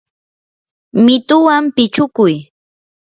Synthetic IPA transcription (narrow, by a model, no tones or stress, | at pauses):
mɪt̪ʊwampɪt͡ʃʊkʊj